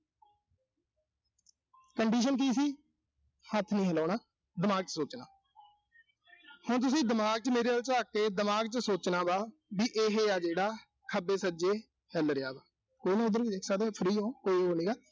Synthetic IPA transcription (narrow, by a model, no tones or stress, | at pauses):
kəɳɖiːʃ̬ənk̬iːs̬iː | hət̪ʰːnĩːɦəlaːɳaː | d̪ɪmaːɡ̚t͡ʃəsoːt͡ʃna̰ː | hʊɳt̪̬ʊs̬ĩːd̪ɪmaːɡ̚t͡ʃmeːɾeːəːlt͡ʃaːkːeːd̪ɪmaːɡt͡ʃəsoːt͡ʃnaːbaːbiːʔeɦeːaːd͡ʒeːɽaː | kʰəbeːsəd͡ʒeː | hɛlɾɪjaːbaː | koːinãːʊd̪əɾiɪksaːd̪epʰəɾiːɦõːkoːiːɦoːniːɡaː